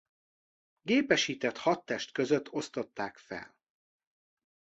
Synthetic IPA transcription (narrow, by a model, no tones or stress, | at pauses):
ɡeːpɛʃiːt̪ɛt̪hɒt̪ːɛʃt̪kø̞zøt̪ːo̞st̪o̞t̪ːaːkfɛ̰l